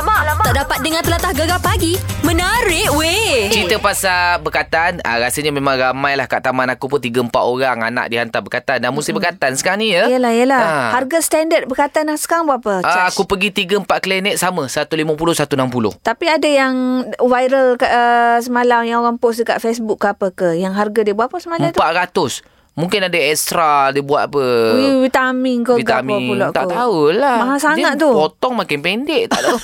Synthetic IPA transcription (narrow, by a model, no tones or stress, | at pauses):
aʔdapat̪̚dəŋãnt̪əlat̪ahɡaɡapaɡimə̃naɾɪʔwet͡ʃit̪əpasabəkat̪anə̰ɾasəɲamẽmãŋɾamãjlahkaʔt̪amanakupʊnt̪iɡəəmpa̰t̪oɾaŋa̰na̰k̚diɦant̪abəkat̪andanmust̪ɪbəkat̪ansə̥kaɾaŋnijəjəlahijəlaharɡast̪andət̪̚bəkat̪anasə̥kaɾaŋbəapəaaakupəɡit̪iɡəmpaʔ̚kəlɛnɛt̪̚saməsat̪uliməpulohsat̪unampulo̰ht̪apiadajaŋvajɾəlkaʔəsəmalamjaŋoɣaŋpʊsdəka̰ʔfesbukːapəkəjaŋɦarɡadiəbuaʔpəsəmalmat̪upaʔɾat̪ʊs | mũŋkɪnadaɛst̪ɾadiəbuat̪apəivit̪amiŋkəiɡamapuloʔat̪a̰ʔtaulamaɦasaŋaʔt̪upot̪ɔŋmakɪnpɛndɛʔt̪aʔt̪a